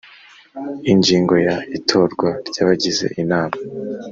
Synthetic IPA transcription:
iɲɟiːŋɡo̞jaitʰo̞ːɾɡwaɾɟ̥aːβaɟize̞̰ʔinaːma

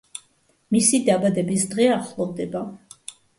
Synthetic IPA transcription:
misid̪abad̪ɛbisd̪ʁɛaχlˠɔvd̪ɛba

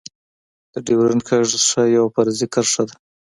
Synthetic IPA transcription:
d̪̥əɖiwɾankʰaʐʂajawapaɾzikaɾʂad̪a

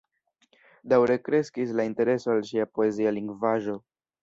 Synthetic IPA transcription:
dawɾe̞kɾe̞skis̬lainte̞ɾe̞so̞alʃiapo̞e̞zialiŋɡvaʒo̞

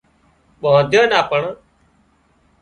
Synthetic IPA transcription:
ɓɔːd̪jəːnaːpəɳ

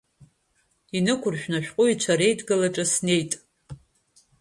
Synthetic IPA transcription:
inɨkʷʊrʃᶣnaʃᶣqʼʊit͡ʃʷʰaɾe̞jtʰʼɡɨlaʈ͡ʂʼasne̞jtʼ

